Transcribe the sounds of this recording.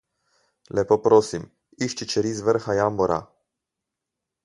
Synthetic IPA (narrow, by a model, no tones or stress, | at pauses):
lɛpopɾoːsim | iʃt͡ʃit͡ʃɛɾizʋəɾxajambɔɾʔa̰